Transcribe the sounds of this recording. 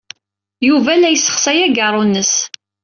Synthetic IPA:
juvælæjəsːə̥χsæjæɡərˤːunːəs

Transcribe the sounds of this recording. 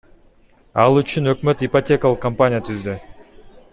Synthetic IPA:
ɑlˠyt͡ʃynø̞kmø̞t̪ipɐtʲe̞kɐlˠəqkːɐmpanʲɪjət̪ʰyzd̪y

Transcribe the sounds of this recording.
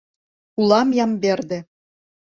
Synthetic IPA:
kulˠɑmjɑmbʲerd̪ʲɘ̆

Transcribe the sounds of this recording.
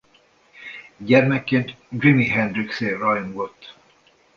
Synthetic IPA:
ɟɛrmɛkːeːnt̪ɡrimiɦɛnd̪ɾikseːrɒjmɡot̪ː

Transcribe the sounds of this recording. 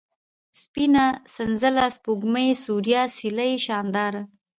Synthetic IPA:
spinasanzəlaspuɡmajsuɾjɑsilaeʃɑnd̪ɑɾa

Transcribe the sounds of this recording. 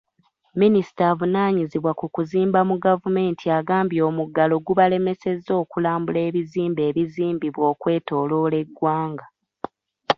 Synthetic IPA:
minisi̥taːvunaːɲiziβwakukuziːmbamuɡavume̞ːntʰiaɡaːmbjo̞ːmuɡalo̞ɡuβale̞me̞se̞zːo̞ːkulaːmbule̞ːβiziːmbe̞ːβiziːmbiβwo̞ːkwe̞ːto̞ːlo̞ːle̞ɡwaːŋɡa

